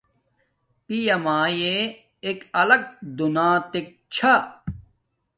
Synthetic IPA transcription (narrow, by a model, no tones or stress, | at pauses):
pijɐmaːjeː | kɐlɐk̚d̪unaːt̪ek̚t͡ɕʰa